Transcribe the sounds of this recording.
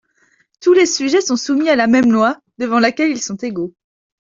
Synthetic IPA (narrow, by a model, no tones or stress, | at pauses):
t̪ulesyʒɛsɔ̃sumialamɛmlwa | d̪̥əvɑ̃lakʲɛlilsɔ̃t̪eɡo